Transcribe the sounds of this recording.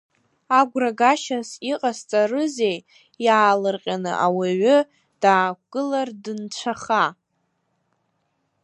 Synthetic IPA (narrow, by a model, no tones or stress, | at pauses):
aɡʷraɡaʃasiqʼast͡sʼarɨzej | jaːlɨrqʲʼanɨ̰ʔawaɥʊ | d̥aːk̚ʷɡ̥ɨlardɨnt͡ʃʷʰaχa